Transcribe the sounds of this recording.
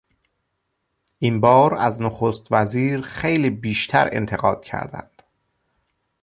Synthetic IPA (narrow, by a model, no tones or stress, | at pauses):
ʔimbɒːɾæ̰znoxost̪væziːɾxejliːbiːʃt̪ʰæ̰ɾe̞̰nt̪ʰeɣɒːd̪̥̚cʰæ̰ɾd̪æ̰nd̪̥